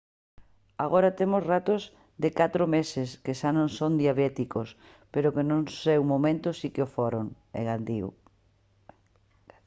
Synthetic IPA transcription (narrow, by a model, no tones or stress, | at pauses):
aɣoɾat̪emosrat̪oz | d̪ɪkat̪ɾomesɪskeʃanõŋsond̪jaβɛt̪ikos | peɾokenõŋsewmomẽnt̪ʊsikɪofoɾoŋ | ḛɣand̪iw̰